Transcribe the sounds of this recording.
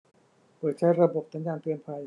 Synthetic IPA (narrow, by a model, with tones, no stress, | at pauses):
pɤː˨˩t̪̚t͡ɕʰa˦˥jɾa˧bo˨˩p̚sa˨˦njaː˧npi˧ənpʰa˧j